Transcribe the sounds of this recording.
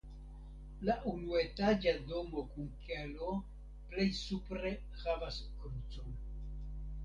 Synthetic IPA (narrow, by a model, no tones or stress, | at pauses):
laʔunuetad͡ʒado̞mo̞kunkalo | ple̞jsupɾe̞ | havaskɾut͡son